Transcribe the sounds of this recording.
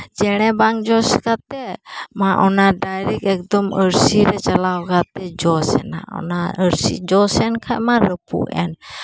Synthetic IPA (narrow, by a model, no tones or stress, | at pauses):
d͡ʒɛñɛbaŋd͡ʒɔskat̪ɛmaʔɔnadaɾikɛk̚dɔməɾsiɾɛt͡ʃalawkat̪ɛd͡ʒɔsɛ̰na̰ɔ̰naəɾsḭd͡ʒɔsɛnkʰamaɾəpṵʔɛ̰n